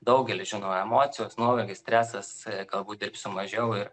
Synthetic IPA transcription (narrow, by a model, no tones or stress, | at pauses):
d̪ɐʊɡʲɛlʲɪʒʲɪnoʊɛmoːsʲɪjoːsnuɔʋɐlʲɡʲɪsʲtʲɾʲæːsɐsɡɐlˠbuːt̚d̪ʲɪrpʲsʊmɐʒʲɛʊɪr